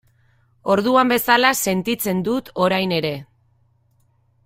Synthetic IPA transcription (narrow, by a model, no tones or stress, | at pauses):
o̞ɾðuambe̞salase̞nt̪it͡se̞nd̪ut̪o̞ɾajne̞ɾe̞